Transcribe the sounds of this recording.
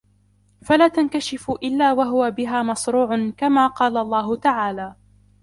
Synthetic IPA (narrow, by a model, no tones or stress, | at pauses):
falaːt̪ankaʃɪfʊʔɪlːaːwaɦʊwabɪɦaːmɑsɾuːʕʊnkamaːqɑːlalˤːɑːɦʊt̪aʕaːlaː